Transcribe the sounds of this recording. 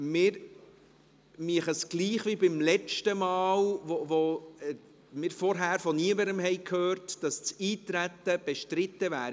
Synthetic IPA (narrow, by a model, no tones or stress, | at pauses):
mɪːɾ | miəχəsɡ̥liːχʋibɪmlɛt͡ʃtəmɑːlʋoʋo | mɪːɾfɔɾɦæːɾfɔniəməɾəmhɛjkʰhøːrtd̥ɑst͡siːt̪ɾæt̪ːəb̥ɛʃtɾɪt̪ːəvæːɾ